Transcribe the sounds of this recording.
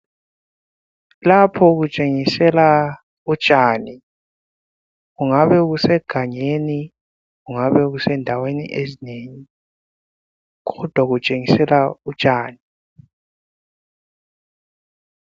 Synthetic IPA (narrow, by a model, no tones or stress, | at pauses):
lapʰɔɣ̬ut͡ʃʼeŋisɛla | ut͡ʃʼaːni | ɣuŋaβɛɣusɛɡ̥ʱaɲeni | ɣuŋaβɛɣusɛndʱawenḭʔezineːŋi | ɣɔd̥ʱwaɣut͡ʃʼeŋisɛlaut͡ʃʼaːni